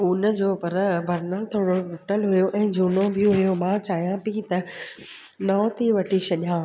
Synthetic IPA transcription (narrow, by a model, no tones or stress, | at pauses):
uːnəd͡ʑoːpɐɾbʱɐɾnəlt̪ʰoːɽoʈʊʈəlɦʊjoʔɛ̃ːd͡ʑʱuːnobʱɪ̃ɦʊjomãt͡ɕaːɦijãpiːt̪ɐ | nɔːt̪ʰiʋɐʈʰiʃɐɗijãː